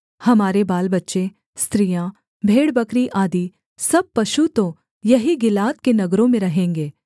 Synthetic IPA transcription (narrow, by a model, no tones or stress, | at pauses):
hɐmaːɾebaːlbɐtːʃe | st̪ɾijã | bʱeːɽbɐkɾiʔaːd̪i | sɐb̚pɐʃut̪õ | jɐɦiɡɪlaːt̪kenɐɡɾõmẽɾɐɦẽːŋɡeː